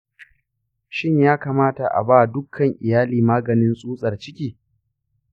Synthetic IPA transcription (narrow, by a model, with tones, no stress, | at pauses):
ʃɪ˦ɲjaː˦kaː˨maː˦ta˨ʔa̰˨baː˦˨dʊ˦kʰːɐ˨ŋʔɪ˨jaː˦liː˨maː˦ɡɐ˨nɪ˦nsʼuː˦sʼɐ˨rt͡ʃɪ˦kʲiː˨